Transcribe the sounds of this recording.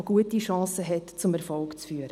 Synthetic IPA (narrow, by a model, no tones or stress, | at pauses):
ɡ̥uətiʃɑ̃ːsəɦɛtt͡sʊmɛɾfɔlkt͡sfyːəɾə